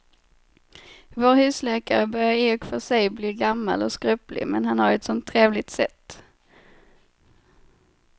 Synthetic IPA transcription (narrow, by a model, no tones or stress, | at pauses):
voːɾhʉ̟ːslɛːkaɾəbœɾjaɾeɔkfœʂɛjbliːɡamːa̰lɔskɾʉplɪ̰mɛnhanhaɾɛt̪sɔmt̪ʰːɾeːvlɪt̪sɛt̪ː